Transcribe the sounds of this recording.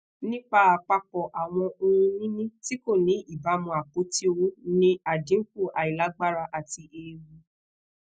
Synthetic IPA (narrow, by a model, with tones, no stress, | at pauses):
nĩ˦k͡pa˧˦a˨k͡pa˧k͡pɔ˨ʔa˨w̃ɔ̃˧o˧ũ˧nĩ˦nĩ˦ti˦ko˦˨nĩ˨˦i˦˨ba˨˦mɔ̃˧a˨k͡po˨˦ti˦o˧wu˦nĩ˦a˨dĩ˨˦ŋ̩˦ku˦˨ʔa˨i˨la˨˦ɡ͡ba˦ɾa˧ʔa˨ti˧ʔe˧˨wu˧